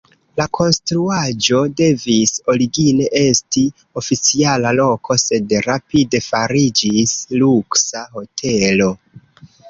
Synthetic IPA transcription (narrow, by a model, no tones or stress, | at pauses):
lakʰo̞nstɾuad͡ʒo̞de̞viso̞ɾiɡine̞ʔe̞sti | o̞fit͡sialalo̞kʰo̞se̞dɾapide̞faɾid͡ʒisluksaɦo̞tʰe̞lo̞